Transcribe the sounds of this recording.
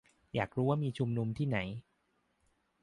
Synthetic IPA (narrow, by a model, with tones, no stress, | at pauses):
jaː˨˩k̚ɾuː˦˥waː˥˩miː˧t͡ɕʰu˧mnu˧mt̪ʰiː˥˩na˩˦j